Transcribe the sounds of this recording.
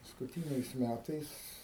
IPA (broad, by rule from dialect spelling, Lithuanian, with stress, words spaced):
pɐskʊˈtʲiːnʲɛɪs ˈmʲætɐɪs